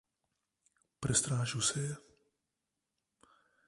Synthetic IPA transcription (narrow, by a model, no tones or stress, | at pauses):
pɾɛst̪ɾaːʒusɛjɛ